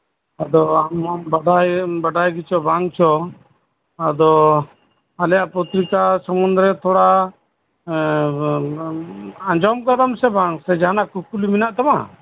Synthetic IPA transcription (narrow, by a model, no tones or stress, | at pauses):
ad̪ɔammbaɖajbaɖajɡit͡ʃʰɔbʱaŋt͡ʃʰɔ | ad̪ɔ | alɛjaʔpɔt̪ɾikasəmund̪ɾɛt̪ʰɔɽa | aɲd͡ʒɔmɡad̪amsɛbʱaŋsɛd͡ʒanakukuliminaʔt̪ama